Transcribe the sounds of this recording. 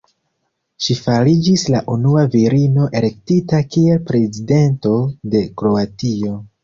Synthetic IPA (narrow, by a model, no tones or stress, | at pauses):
ʃifalid͡ʒislaʔunuaviɾino̞ʔe̞le̞ktitakie̞lpɾe̞zide̞nto̞de̞kɾo̞atio̞